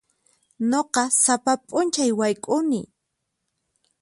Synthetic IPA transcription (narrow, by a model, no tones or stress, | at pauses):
noqɑsapapʼʊnt͡ʃajwajkʼʊnɪ̰